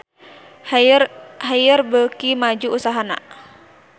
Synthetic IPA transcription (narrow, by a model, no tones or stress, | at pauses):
ɦajərbəkimad͡ʒuːsaɦana̰